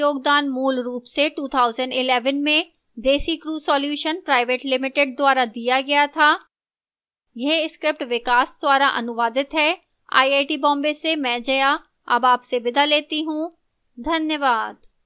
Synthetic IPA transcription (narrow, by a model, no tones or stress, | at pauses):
joːɡd̪aːnmuːlɾuːpseʈuːt̪ʰaːʊzəɳɖɪlɛːʋənmẽ | d̪eːsikɾuːsɔːljuːʃənpɾaːɪʋeːʈlɪmɪʈɪɖ̚d̪waːɾad̪ijaɡɐjat̪ʰaː | jeɪskɾɪp̚ʈʋɪkaːsd̪waːɾaʔɐ̰nʊʋaːd̪ɪt̪ɦɛ | a̰ːieːʈibɔ̃ːmbesemɛ̃d͡ʒɐja | ɐ̰baːpsebɪd̪ʱaleːt̪iɦũ | d̪ʱɐnjəʋaːd̪